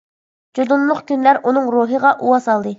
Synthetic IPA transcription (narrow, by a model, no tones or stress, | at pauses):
d͡ʒod̪unlˠʊqkʲynlæɾunɨŋɾuːɦəʁɑʔuwɑsɑlˠd̪ɨ